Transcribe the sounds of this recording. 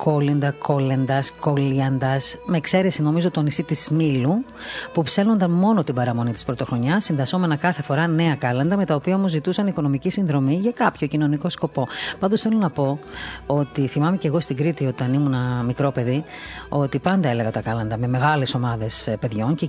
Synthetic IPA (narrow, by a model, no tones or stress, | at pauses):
kʰo̞lend̪ɐko̞lend̪ɐsko̞liɐnd̪ɐsme̞ːkse̞ɾe̞sino̞mizo̞t̪o̞nisit̪izmilu | pupse̞lno̞nd̪ɐnmo̞no̞t̪ibɐɾɐmo̞nit̪i̥spɾot̪o̞xɾo̞ɲɐsːinðɐso̞me̞nɐkɐθe̞fo̞ɾɐne̞ɐkɐlɐnd̪ɐme̞t̪ɐopiɐomo̞zit̪usɐniko̞no̞micisinðɾo̞miʝɐkɐpço̞cino̞niko̞sko̞po̞pɐnd̪osθe̞lonɐpo̞o̞t̪iθimɐmece̞ɣo̞st̪iɡɾit̪io̞t̪ɐnimunɐmikɾo̞pe̞ðio̞t̪ipɐnd̪ɐe̞le̞ɣɐt̪ɐkɐlɐnd̪ɐme̞me̞ɣɐle̞so̞mɐðe̞spe̞ðʝo̞nce